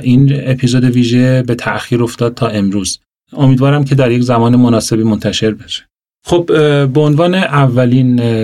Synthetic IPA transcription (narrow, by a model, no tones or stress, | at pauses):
ʔinepʰiːzod̪e̞viːʒe̞be̞t̪ʰæʔxiːɾo̞ft̪ɒːd̪̥̚t̪ʰɒːe̞mɾuːz | o̞miːd̪vɒːɾæmkʰe̞d̪æɾjeczæmɒːnemonɒːse̞biːmo̞nt̪ʰæʃe̞ɾbe̞ʃe̥ | xobbeonvɒːneʔævːæliːn